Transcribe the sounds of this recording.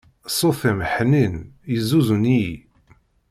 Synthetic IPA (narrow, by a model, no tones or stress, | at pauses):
sˤoθæmħninjəzuzuni